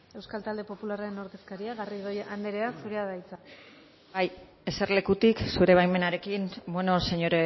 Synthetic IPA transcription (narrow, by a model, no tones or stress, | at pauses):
e̞wskalt̪ald̪e̞po̞pularaɾe̞noɾðe̞skaɾiaɣariðoand̪eɾe̞asuɾeaðajt͡sa | baj | e̞se̞ɾle̞kut̪iksuɾe̞β̞ajme̞naɾe̞kinbweno̞se̞ɲo̞ɾe